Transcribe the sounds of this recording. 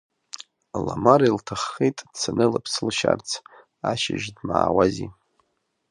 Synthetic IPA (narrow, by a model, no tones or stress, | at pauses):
lamaɾiltʰaχːejtʼd̥sʰanɨlapʰsɨlʃart͡sʰ | aʃɪʒdmaːwazi